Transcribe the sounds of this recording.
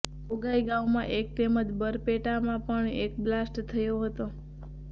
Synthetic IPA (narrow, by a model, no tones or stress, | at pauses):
oɡaiɡãʋmã̰ʔek̚t̪emət̪bəɾpeʈamãpəɳek̚blasʈt̪ʰəjoɦət̪o